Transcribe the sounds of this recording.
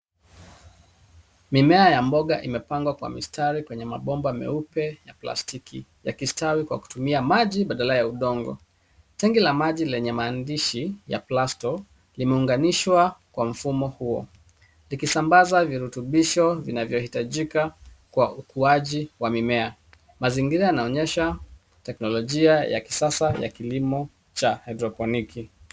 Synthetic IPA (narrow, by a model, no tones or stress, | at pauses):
mimɛajambɔɠaʔimɛpaŋɡwakwa̰mḭstʰaɾikwɛɲɛmaɓɔmbamɛ̰upɛjapla̰stikʰija̰kistawikwa̰ku̥tumiamaʄiɓaɗalajauɗɔŋɡɔ̰ | tɛŋɡilamaʄilɛɲɛmaːndiʃija̰plastɔ | limɛuŋɡaniʃwakwam̩fumɔhuɔ̰ | likisambazaviɾutuɓiʃɔvinavjɔhitaʄika | kwaukuaʄiwamimɛa | maziŋɡiɾajanaɔɲɛʃa | tɛknɔlɔʄiaja̰ki̥sasaja̰kilimɔ | t͡ʃahadɾɔpɔnikʰi